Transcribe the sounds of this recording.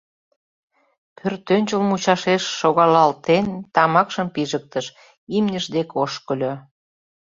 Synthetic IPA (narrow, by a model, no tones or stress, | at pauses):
pʰørt̪ønʲt͡ɕəlmut͡ɕɑʃeʃːoɣɑlɑlt̪ent̪ɑmɑkʃəmpiʒək̚t̪əʃ | imnʲəʃd̪ekoʃkəlʲø